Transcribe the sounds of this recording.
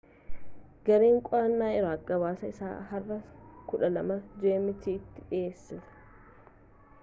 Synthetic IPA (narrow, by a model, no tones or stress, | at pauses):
ɡɐɾeːŋkʼɔɾɐnːaːɪɾoɐɡɐβaːsɐɪsa̰ːɦɐrːɐkʊᶑɐlɐmɐd͡ʒeːmɪt̪iːt̪ːɪᶑɪjeːsːɪsɐ̥